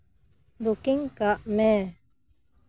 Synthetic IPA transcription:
bukiŋkaʔmɛ

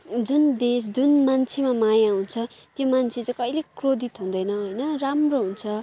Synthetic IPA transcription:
d͡zund̪es̬d͡zunmant͡sʰemamajaɦũt͡sʰʌt̪jomant͡sʰet͡sʌ̃kʌjlekrod̪it̪ɦũnd̪ʌjnʌɦojnʌramroɦunt͡sʰʌ

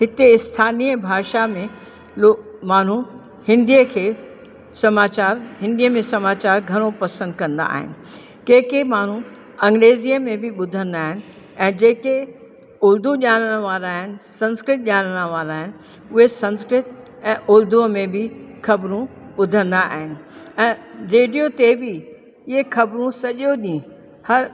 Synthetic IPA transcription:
ɦɪt̪eɪst̪ʰaːniːɛ̃bʱaːʃamẽ | lomaːn̤u | hɪ̃nd̪iəkʰeː | sɐmaːt͡ɕaːɾɦɪ̃nd̪ijəmẽsɐmaːt͡ɕaːɾɡʱɐɽ̃opɐsə̃nd̪̚kɐ̃nd̪a̰ːɦɪ̰nɪ̆ | keːkemaːn̤u | ɐ̃ŋɡɾeːzijəmẽbʱɪɓʊd̪ʱə̃nd̪aːɦɪnɪ̆ | ɛ̃ːd͡ʑeːke | ʊɾd̪ʱuʄaːnəɽ̃ə̆ʋaːɾaːɦɪnɪ̆sɐ̃nskɾɪʈ̚ʄʲaːləɽ̃əʋaːɾaːɦɪnɪ̆ | ʊɦesɐ̃nskɾɪt̪̚ | ɛ̃ːʔʊɾd̪ʱuəmẽbɪxɐbɾũɓʊd̪ʱə̃nd̪aa̰ːɦɪnɪ̆ɛ̃ːɾeːɖijot̪ebɪ | ɪɦexʰɐbɾũsɐʄjoɗĩ | hɐɾ

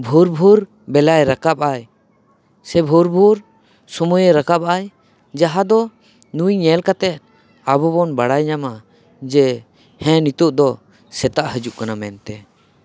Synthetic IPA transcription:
bʱuɾbʱuɾ | bɛlajɾakap̚aj | sɛbʱuɾbʱuɾ | sɔmujəɾakap̚aj | d͡ʒaɦad̪ɔ | nujɲɛlkat̪ɛt̪̚ | abɔbɔnbaɽajɲama | d͡ʒɛ | hɛ̃nit̪uʔ̚d̪ɔ | sɛt̪aʔɦəd͡ʒuʔkanamɛnt̪ɛ

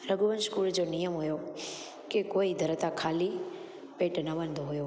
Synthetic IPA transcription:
ɾəɡuʋənskuld͡ʒonijəmɦojo | kekoid̪ʱəɾt̪akʰali | peʈnəbənd̪ʱɦojo

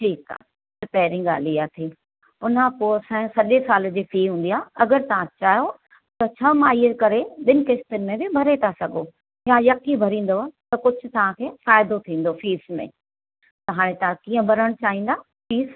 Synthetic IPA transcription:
ʈʰiːka̰ː | t̪ɐpɛːɾɪ̃ɡa̰ːliaːt̪ʰiː | ʊn̤apoːsɐ̃sɐʄesaːld͡ʑeːfiːɦũːn̆d̪ijaːɐɡəɾt̪ɐʋ̤ãt͡ɕaːɦjo | t̪ɐt͡ɕʰɐmãiekɐɾeɗɪnɪkest̪ɪnmẽbɪbʱɐɾet̪ʰasɐɡo | jãjɐkibʱɐɾĩːn̆d̪oat̪ɐkʊd͡ʑʱʊ̆t̪ɐʋ̤ãkʰeːfaːɪd̪ot̪ʰĩːn̆d̪ofiːsmḛ̃ | t̪ɐɦaːɽ̃ẽt̪ɐãkiːə̃bʱɐɾəɽ̃t͡ɕaːɦĩːnd̪aː | fiːs

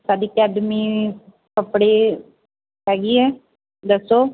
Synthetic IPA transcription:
saːɖiːkɛːɖmiː | kəpɽeː | ɦɛːɡiːɛː | d̪əsːoː

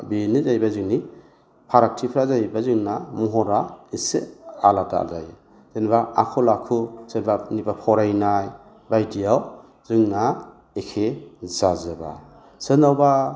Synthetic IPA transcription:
binizajbazɯŋni | pʰaɾak̚tʰipʰɾazajbazɯŋnamɔɦɔɾaisḛalata̰a̰lza̰j | z̥enbaa̰kʰɔlakʰuz̥enbanibapʰɔɾajnaj | bajdiaw | z̥ɯŋna | ekʰezazɯba̰ | sɯnawba

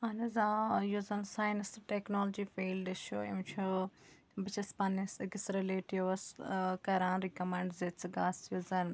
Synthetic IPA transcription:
ɐnɐzaːjuzɐnsaːjnsʈeknoːld͡ʒifeːlɖʃoːimt͡ʃʰu | bɪt͡ʃʰɐspɐnisɡɪsɾeleːʈiʋɐskɐɾãːnɾikɐmẽɳɖzet͡sʰɡaːsjuzɐn

